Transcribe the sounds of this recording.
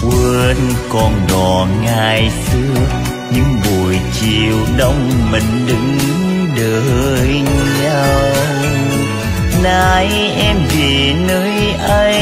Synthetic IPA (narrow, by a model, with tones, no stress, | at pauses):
ʔwə˧nkɔ˧˩nɗɔ˨˩ŋaː˨˩jsɨ˧ə | ɲɨ˧˥ŋɓu˨˩jt͡ɕi˨˩wɗə˧wŋ͡mmï˨˩ŋ̟ɗɨ˨˧˦ŋɲɨ˨˧˦ŋ | ɗəː˨˩ | jɲa˧w | naː˧˩j | ʔɛ˧mve˨˩ | nəː˧˦˥jʔa˧j